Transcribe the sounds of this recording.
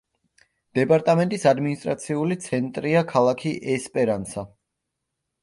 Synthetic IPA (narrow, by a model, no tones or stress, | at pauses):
d̪̥ɛpʼaɾt̪ʼamɛ̃nt̪ʼisad̪minist̪ʼɾat̪sʰiulit̪sʰɛnt̪ʼɾiakʰalˠakʰiʔɛspʼɛɾansa